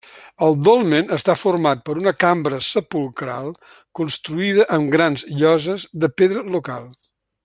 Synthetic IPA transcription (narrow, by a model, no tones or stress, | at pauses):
əlˠd̪olˠmenəst̪afurmat̪̚pəɾunəkambɾəsəpulˠkɾa̰lˠ | kunst̪ɾuiðəʔəmɡɾanzʎɔzəzðəpeðɾəlukalˠ